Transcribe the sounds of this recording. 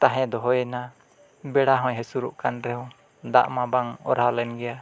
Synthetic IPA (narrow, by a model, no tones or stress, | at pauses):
t̪aɦɛ̃d̪ɔɦɔjɛna | bɛɽaɦɔ̃jɦɛsuɾuʔkanɾɛɦɔ̃ | d̪a̰ʔmãbaŋɔ̰ɾalɛnɡɛja